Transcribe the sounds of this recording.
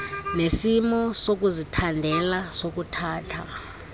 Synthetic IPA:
nesimɔsok̬uzitʰandʱɛlasok̬utʰaːtʰa

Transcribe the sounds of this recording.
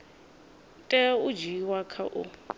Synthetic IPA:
tʼɛʊd͡ʒiwakʰa̰ʔʊ̰

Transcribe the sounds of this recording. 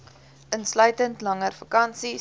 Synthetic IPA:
ʔənslœɥtəntlɐŋərfɐkɐnsi

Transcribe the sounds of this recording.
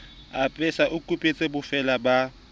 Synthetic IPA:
apʼɛsaʔʊkʼupʼet͡sʼebʊfɛlaba

